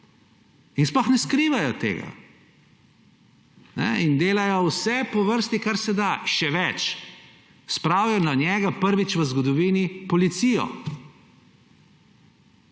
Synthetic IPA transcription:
insplɔxnɛskɾiːʋajɔt̪ḛːɡa̰ | nɛ̰ind̪eːlajɔwsɛpɔʋəɾst̪ikaɾsɛd̪aʃɛʋɛt͡ʃ | spɾawjananʲjɛːɡapəɾʋit͡ʃʋəzɡɔd̪ɔʋiːnipɔlit̪sijɔ̰

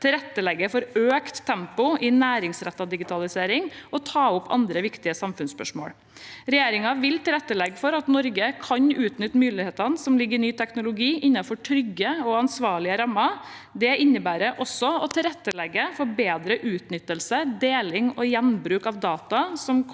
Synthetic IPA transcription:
t̪ʰɪlɾɛt̪ːəlɛɡːəfɔɾøːkt̪ʰːɛmpʊʔɪnæːɾɪŋsɾɛt̪ːɑd̪ɪɡɪt̪ʰɑlɪseːɾɪŋɔt̪ʰɑːʊpʰːɑ̰nd̪ɾəʋɪkt̪ɪəsɑmfʉnspœ̰ʂmo̰ːɽ | ɾɛjeːɾɪŋɑʋɪlt̪ɪlɾɛt̪ːəlɛɡːfɔɾɑt̪nɔɾɡəkʰɑɲʉːt̪nʏt̪ːmyːlɪheːt̪ɑnsɔmlɪɡːəɾnyːt̪ʰɛknʊlʊɡiːʔɪnːɑfɔʈʰɾʏɡːəɔɑnsʋɑːɭɪəɾɑmːɑ | d̪ɛɪnːəbæːɾəʔɔsːɔɔt̪ʰɪlɾɛt̪ːəlɛɡːəfɔɾbeːd̪ɾəʔʉːt̪nʏt̪ːəlsəd̪eːlɪŋɔjɛnbɾʉːkɑʋd̪ɑːt̪ɑsɔm

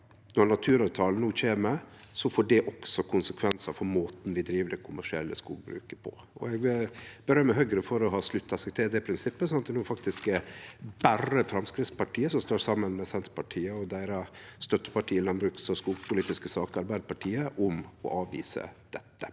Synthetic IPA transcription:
nɔnɑt̪ʰʉːɾɑʋt̪ʰɑːlnuːc͡çeːmə | sɔfoːɖɛʔɔksɔkʰʊnsəkʰʋɛnsɑfɔɾmoːt̪n̩ʋɪd̪ɾiːʋəd̪ɛkʰʊmæʂɪɛ̰lːə̰skṵːɡ̚bɾʉ̰ːkəpʰɔ̰ | ʔɔ̰ɛɡbəɾœmːəɦœɡɾəfɔɾɔɦɑːslʉt̪ːɑsɛkt̪ʰeːɾəd̪ɛpʰɾɪnsɪpːəsɔnɑt̪̚d̪ɛnuːfɑk̚t̪ɪsk | bærəfɾɑmskɾɪt̪spɑʈʰiːəsɔmst̪oːsɑmːənmɛsɛnt̪pʰɑʈʰiːəɔd̪æɪɾɑst̪œt̪ːəpɑʈʰiːɪlɑnbɾʉːksɔskuːɡpʰʊliːt̪ɪskəsɑːkəɑɾbæɪd̪əpɑʈʰiːəʔʊmɔ̰ʔɑːʋḭːsə̰d̪̥ɛt̪ːə̥

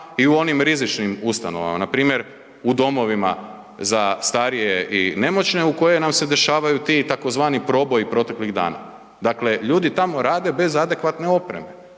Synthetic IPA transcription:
iuo̞nimɾizit͡ʃnimust̪ano̞̰ʋa̰ma̰napɾiːmjeɾ | ud̪o̞mo̞ʋima̰ | zast̪aɾijeʔine̞mo̞t͡ɕne̞uko̞jenamse̞d̪e̞ʃaːʋajut̪it̪ako̞zʋaːnipɾo̞bo̞jipɾo̞t̪e̞kliɣd̪a̰ːna̰ | d̪akle̞ʎuːd̪it̪amo̞ɾaːd̪e̞be̞zad̪e̞kʋat̪ne̞o̞pɾe̞me̞

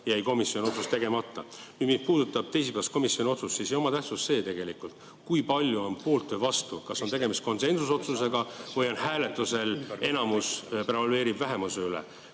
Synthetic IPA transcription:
jæjko̞misjonio̞t̪sust̪e̞ɡ̥e̞mɑt̪ːˑɑkymispuːd̪ut̪ːˑɑb̥̚t̪e̞js̬ipæɑst̪ko̞misjo̞nʲio̞t̪sustːsisejo̞mɑt̪æht̪susːe̞ːt̪e̞ɡ̥e̞likˑult̪ | kujpɑlʲjuo̞npo̞ːlt̪ːøvɑst̪ukɑso̞nt̪eɡe̞mist̪̚ko̞nse̞nsuso̞t̪suse̞ɡ̥ɑvɤjo̞nhæːle̞t̪ːˑuse̞le̞nɑmuspɾevɑlyeːɾibvæɦe̞museylḛ

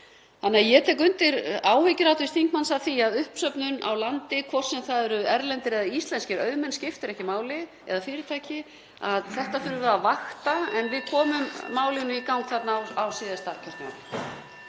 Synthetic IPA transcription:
θanːɛajɛt̪ʰɛk̬ʏnt̪ɪɾaːwhʏcɪɾawt̪ɪst̪θiŋkmansaθiaðʏhpsœpnʏna̰wlant̪ɪkʰvɔr̥sɛmθaðʏɾʏɛɾlɛnt̪ɪɾɛðaist̪lɛnscɪɾœːɥmɛnscɪft̪ɪɾɛhcɪmaːwlɪ | ɛ̰ðafɪːɾɪt̪ʰaːjcɪ | aðθɛht̪afʏːɾʏvɛðavaxt̪aɛnvɪðkʰɔːmʏmːaːwlɪnʏikawŋkθat̪nawawsiːðast̪acʰœr̥t̪a̰n

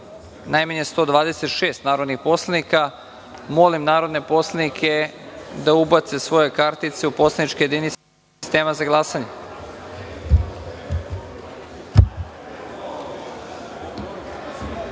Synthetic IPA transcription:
najmaɲe̞st̪o̞d̪ʋaːd̪ese̞t̪ʃeːst̪naːɾo̞d̪nixpo̞slˠenika | mo̞limnaːɾo̞d̪ne̞po̞slˠenikʰe̞d̪aubat̪se̞sʋo̞je̞kaɾt̪it̪se̞upo̞slˠenit͡ʃkejed̪ini | st̪eːmazaɡlˠaːsaɲe

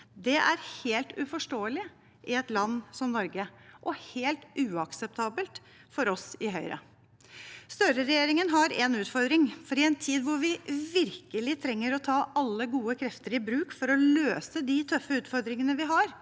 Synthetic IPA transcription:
d̪ɛʔæɾheːlt̪ʉfɔʂʈoːəlɪ | ʔɪɛt̪lɑnːsɔmnɔɾɡəʔɔheːlt̪ʉːɑksɛp̚t̪ʰɑːbəlt̪ | fɔɾɔsɪɦœʏɾə̰ | st̪œɾəɾɛjeːɾɪŋənɦɑɾɛnʉːt̪fɔɾd̪ɾɪŋfɔɾɪɛnt̪ʰiːd̪ʋʊɾʋɪʋɪɾkəlɪt̪ʰɾɛŋːəɾɔt̪ʰɑːʔɑlːəɡuːəkʰɾɛft̪əɾɪbɾʉːkfɔɾɔløːsəd̪ɪt̪ʰœfːəʉːt̪fɔɾd̪ɾɪŋənəʋɪɦɑɾ

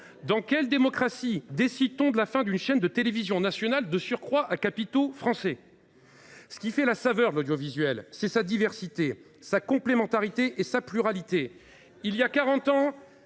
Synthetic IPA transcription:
d̪ɑ̃kʲɛld̪emɔkχasid̪esid̪̚t̪ɔ̃d̪əlafɛ̃d̪ynʃɛnd̪ət̪elevizjɔ̃nasjɔnald̪əsyʁkχwaʔakapit̪ofχɑ̃sɛ | sə̥kʲifɛlasavœʁd̪əlod̪jovizɥɛlsɛsad̪ivɛʁsit̪e | sakɔ̃plemɑ̃t̪aʁit̪eʔːsaplyʁalit̪e | ilijakaʁɑ̃t̪ɑ̃

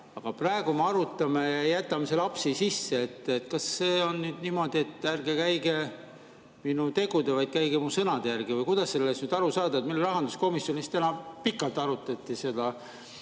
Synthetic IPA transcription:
ɑɡ̥ɑprɑe̞ɡ̥umeɑɾut̪ːˑɑmejɑjæt̪ːˑɑmeselɑpsisisːe̞et̪ːet̪kɑsːe̞ːo̞nːyːd̪̥niːmo̞d̪̥ie̞t̪ːˑærɡekæjɡe̞ | minut̪e̞ɡ̥ud̪evɑjd̪̚kæjɡ̥emusɤnɑd̪̥ejærɡ̥ivɤjkujd̪̥ɑsːe̞lːesnyːd̪̥ɑɾusɑːd̪̥ɑet̪mileɾɑɦɑnd̪̥usko̞misjo̞nist̪ænɑpikːˑɑlt̪ːˑɑɾut̪ːˑɑt̪ːˑise̞d̪ɑ

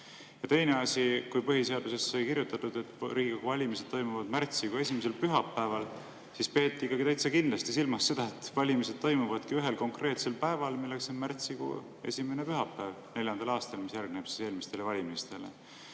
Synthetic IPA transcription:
jɑt̪e̞jne̞ɑsʲikujpɤɦise̞ɑd̪use̞sːɑjkiɾjut̪ːˑɑt̪ːˑud̪̥e̞t̪ːɾiːɡikuvɑlʲimise̥t̪ːo̞jmuvɑd̪mært̪siɡ̥ue̞simese̞lpyɦɑpːæevɑl | sispe̞ːt̪ːˑiikːˑɑɡit̪æjt̪sɑkind̪lɑst̪isilmɑsːe̞d̪̥ɑet̪vɑlʲimised̪̥̚t̪o̞jmuvɑd̪̥kiyɦe̞lko̞ŋkre̞ːt̪se̞lpæevɑlmilːe̞kso̞nmært̪sikṵ | e̞̰sʲime̞nepyɦɑpːæːvne̞ljɑnd̪̥ɑlɑːst̪elmisjærɡ̥̚neb̥si̥se̞ːlmist̪elevɑlʲimist̪e̞le̞̰

